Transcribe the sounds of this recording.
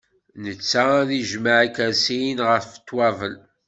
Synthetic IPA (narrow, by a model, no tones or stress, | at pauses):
nət͡sːaðiʒmaʕakæɾsinʁəft̪ːwævəl